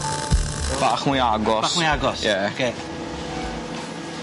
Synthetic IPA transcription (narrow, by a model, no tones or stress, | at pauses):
b̥aχmuaɡɔmiaɡɔsjɛke